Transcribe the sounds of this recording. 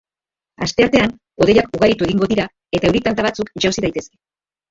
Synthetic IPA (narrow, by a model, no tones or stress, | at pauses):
a̰st̪e̞aɾt̪e̞an | o̞ðejakuɣaɾit̪ue̞ɣiŋɡo̞ðiɾa | e̞t̪ae̞wɾit̪ant̪aβat͡sukʝawsiðajt̪e̞ske̥